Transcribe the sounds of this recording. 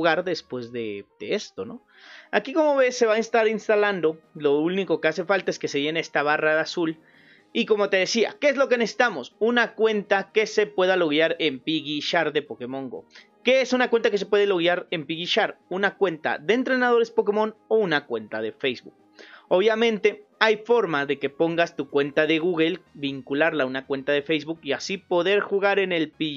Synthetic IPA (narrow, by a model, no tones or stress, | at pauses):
ɣaɾðe̞spwe̞zðed̪̥ḛest̪o̞no̞̰ | akiko̞mo̞βe̞sːe̞βainst̪aɾinst̪aland̪o̞lo̞uniko̞ke̞ase̞falt̪ae̞ske̞seʝe̞neest̪aβaraasul | iko̞mo̞t̪e̞ðe̞sia̰ke̞ezlo̞ke̞ne̞si̥t̪amo̞sunakwe̞nt̪ake̞se̞pwe̞ðalo̞ɣjaɾempiɣiʃaɾðe̞po̞ke̞mõ̞ŋɡo̞̰ | ke̞esunakwe̞nt̪akes̬epwe̞ðelo̞ɣjaɾe̞mpiɣiʃaɾunakwe̞nt̪a̰ðe̞ːnt̪ɾe̞naðo̞ɾe̞spo̞k̬e̞mo̞nounakwe̞nt̪aðe̞fejzβṵk̚ | o̞βjamẽnt̪e̞ajfo̞ɾmaðe̞ke̞po̞ŋɡast̪ukwe̞nt̪aðe̞ɣuɣelbiŋkulaɾlaunakwe̞nt̪aðe̞fejzβukiasipo̞ðe̞ɾxuɣaɾe̞ne̞lpi